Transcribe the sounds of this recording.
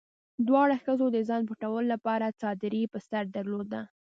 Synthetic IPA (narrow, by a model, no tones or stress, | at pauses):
d̪wɑɽaxəzod̪əzɑnbuʈawəlolapɑɾat͡sɑd̪ɪɾipəst̪aɾd̪aɾlod̪a